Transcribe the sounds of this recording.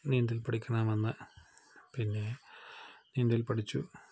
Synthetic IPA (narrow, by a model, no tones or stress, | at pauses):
niːnd̪ilpɐʈikʲːɐnaːmenːɨ | pinːe̞ | niːnd̪ilpɐʈit͡ɕːṵ